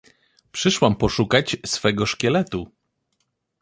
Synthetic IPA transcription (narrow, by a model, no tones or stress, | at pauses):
pʂɘʂwampɔʂukat͡ɕsfɛɡɔʂkʲɛlɛt̪u